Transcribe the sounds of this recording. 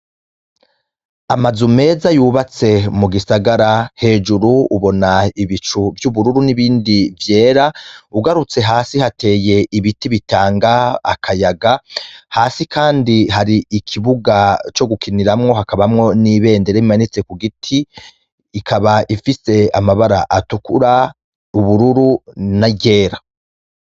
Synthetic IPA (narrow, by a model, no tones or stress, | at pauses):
amazume̞ːzajuβat͡se̞muɡisaɡaɾahe̞ːd͡ʒuɾuːβo̞naiβit͡ʃuvjuβuɾuɾuniβiːndivje̞ːɾauɡaɾut͡se̞ɦaːsihate̞ːje̞ʔiβitiβitaːŋɡaa̰kʰajaɡahaːsikʰaːndiɦaɾiikʰiβuɡat͡ʃo̞ɡukiniɾamŋo̞ɦakaβamŋo̞niβe̞ːndeɾeimanit͡se̞kuɡitʰiː | kʰaβaʔifise̞amaβaɾaʔatukuɾa | uβuɾuɾunaɟe̞ːɾa